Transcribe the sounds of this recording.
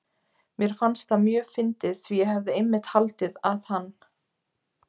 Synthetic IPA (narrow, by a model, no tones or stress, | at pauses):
mjɛɾ̥fanst̪θamjœːfɪnt̪ɪðsvijɛɦɛvðɪemːɪt̪halt̪ɪðaðhanː